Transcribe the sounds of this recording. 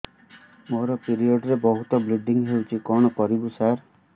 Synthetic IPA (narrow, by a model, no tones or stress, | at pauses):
moɾɔpiɾiɔɖɾebɔɦut̪ɔbliɖiŋɦewt͡ʃʰikɔɽ̃ɔkɔɾibusaɾ